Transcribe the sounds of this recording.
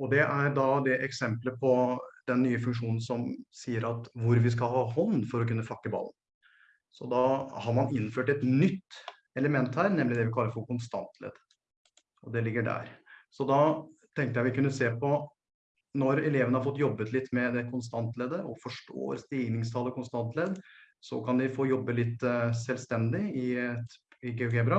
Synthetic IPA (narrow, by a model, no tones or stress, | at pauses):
ɔd̪ɛʔæɾɖɑd̪ɛʔɛksɛmpləpʰɔd̪̥ɛnːyːəfʉŋkʂuːnn̩sɔmsiːəɾɑt̪ʋʊɾʋɪs̬kɑlɦɑːhɔnːfɔɾɔkʉnːəfɑkːəbɑ̰ln̩ | sɔd̪ɑhɑɾmɑnɪnføːʈɛt̪nʏt̪ː | ɛləmɛnt̪hæːɾnɛmlɪd̪ɛʋɪkʰɑlːəɾfɔkʊnst̪ɑ̰nt̪ʰlḛːd̪ə | ɔd̪ɛlɪɡːəɖæ̰ːɾsɔd̪ɑt̪ʰɛŋkt̪əjæʋɪkʉnːəseːpɔ | nɔɾɛleːʋənəhɑɾfɔt̪ːjɔbːət̪lɪt̪ːmɛd̪ɛkʰʊns̬t̪ɑnt̪leːd̪əɔfɔʂʈo̰ːɾst̪iːɡnɪŋst̪ʰɑːləkʊnst̪ɑnt̪leːd̪ | sɔ̰kʰɑnd̪ɪfoːjɔbːəlɪt̪ːsɛlst̪ɛnd̪ɪɪ | ɪɡeɡebɾɑ